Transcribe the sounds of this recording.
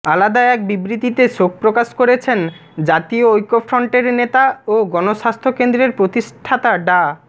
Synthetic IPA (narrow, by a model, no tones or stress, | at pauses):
alad̪aeɛk̚bibɾit̪it̪eʃok̚pɾokaʃkoɾet͡ɕʰen | d͡ʑat̪ioojkofʰɾɔɳʈeɾnet̪aoɡɔnoʃast̪ʰokend̪ɾeɾpɾot̪iʃʈʰat̪aɖa